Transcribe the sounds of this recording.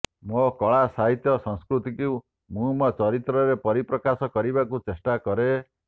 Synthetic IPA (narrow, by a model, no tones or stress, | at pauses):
mɔkɔɭ̃asaɦit̪jɔsɔ̃ŋskɾut̪ikiu | mũmɔt͡ʃɔɾit̪ɾɔɾepɔɾipɾɔkasɔkɔɾibakut͡ʃesʈakɔɾe